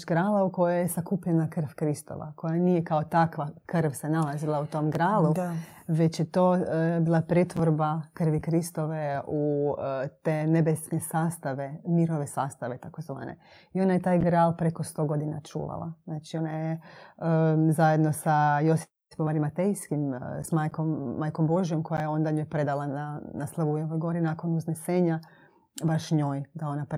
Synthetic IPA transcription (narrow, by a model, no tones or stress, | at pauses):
ɡɾaːlaukojojesakuːpʎenakr̩ʋkɾist̪o̰ʋa̰kʰo̞janijekaot̪akʋakrʋsenalazilˠaut̪o̞mɡɾaːluʋe̞t͡ɕjet̪o̞ːbiːlˠapɾet̪ʋoɾbakr̩ʋikɾist̪o̞ʋeu | t̪eːnebesnesaːst̪aʋemiɾoʋesaːst̪aʋet̪ako̞zʋa̰ːnḛ | io̞najet̪aːjɡɾaːlpɾeko̞st̪o̞ɡo̞d̪ina̰t͡ʃṵːʋa̰lˠa̰znaːt͡ʃio̞najeəzajed̪no̞sajo̞s | pomaɾimat̪ejskimsmajkomːajko̞mbo̞ʒijo̞mko̞jajeo̞nd̪aɲoːjpɾe̞d̪alˠananaslˠaʋuujaʋojɡo̞ɾinako̞nuzneseːɲa | baʃɲo̞ːjd̪ao̞nap